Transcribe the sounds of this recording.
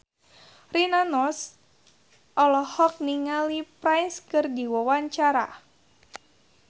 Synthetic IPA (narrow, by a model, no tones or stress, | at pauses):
rinanɔs | ʔɔlɔhɔk̚niŋalipɾajnskɨrdiwɔwaɲt͡ʃaɾa̰